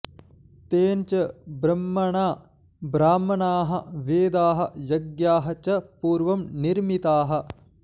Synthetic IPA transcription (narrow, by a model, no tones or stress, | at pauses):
t̪eːnt͡ʃɐbɾɐmːɐɳaː | bɾaːmɐnaːɦɐʋeːd̪aːɦɐjɐɡjaːɦɐt͡ʃɐpuːɾʋɐmniɾmit̪aːɦɐ̆